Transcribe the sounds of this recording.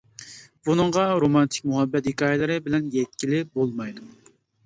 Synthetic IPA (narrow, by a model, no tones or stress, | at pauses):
b̥unɨɴʁɑɾomɑnt̪ʰɪ̥k̚ʲmuɦɛbːɛt̪hikɑːjlˠɨɾɨbɪlɛnjɛt̪̚kʲilɪbolˠmɑjd̪u